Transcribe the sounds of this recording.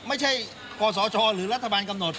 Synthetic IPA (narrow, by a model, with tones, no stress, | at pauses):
mə˨˦˥jt͡ɕʰa˧˥j | kɔ˧zɔ˨˩˦t͡ɕɔ˧˩lɨ˨˦lə˦˥t̪ʰaː˧˩aː˧nkə˧mno˨˩t̚